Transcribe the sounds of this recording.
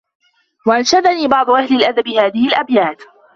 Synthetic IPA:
waʔanʃad̪aniːbɑʕd̪ˤʊʔahlɪlʔad̪abɪhaːðɪhɪlʔabjaːt̪

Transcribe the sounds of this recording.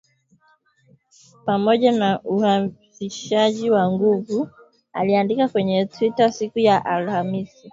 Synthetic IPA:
pamɔʄanauhafiʃaʄiwaŋɡuvu | a̰liandikakwɛɲɛtwitasikujaʔalhamisi

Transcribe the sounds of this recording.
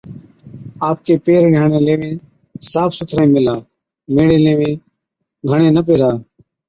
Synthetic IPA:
aːp̚keːpeːɾɡʱaːɳẽːleːʋẽː | saːpʰsʊt̪ʰɾẽːmɪlaː | meːɽẽːleːʋẽː | ɡʱəɳẽːnəp̬eːɾaː

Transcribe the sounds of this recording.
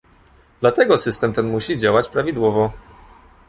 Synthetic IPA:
d̪̥lat̪ɛɡɔsɘst̪ɛmt̪ɛnmuɕid͡ʑawat͡ɕpɾavʲid̪wɔvɔ

